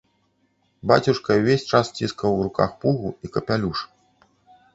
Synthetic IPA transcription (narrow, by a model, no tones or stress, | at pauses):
ba̰t͡sʲuʂkɐuvʲesʲt͡ʂast͡sʲiskɐwɾuka̰xpuɣuikɐpʲalʲuʂ